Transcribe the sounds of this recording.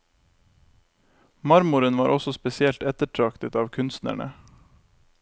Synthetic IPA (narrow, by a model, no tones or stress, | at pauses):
mɑɾmʊɾənʋɑːɾʔɔsɔspɛsɪɛlt̪ɛt̪əʈʰɾɑkt̪ət̪ɑːʋkʰʉnst̪næ̰ɳə̰